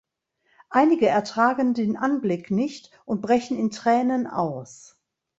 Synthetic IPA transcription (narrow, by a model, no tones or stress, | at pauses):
ʔaɪnɪɡəɛɐtʁ̥aːɡəndeːnʔanblɪknɪçt | ʔʊnt̚b̥ʁɛçn̩ɪntʁ̥ɛːnəna̰ʊs